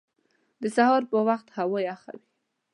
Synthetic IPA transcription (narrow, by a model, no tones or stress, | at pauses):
d̪əsahɑɾpəwaxt̪hawojaxa̰wi